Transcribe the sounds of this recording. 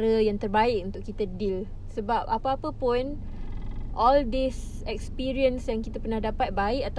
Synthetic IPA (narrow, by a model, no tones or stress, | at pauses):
ɾəjaŋt̪ərbaɪkunt̪ʊʔkːit̪ədil | səbap̚apaapəpʊn | ʔɔldis | ɛk̚spiɾiənsjaŋkit̪apərnahdapat̪̚baɪkat̪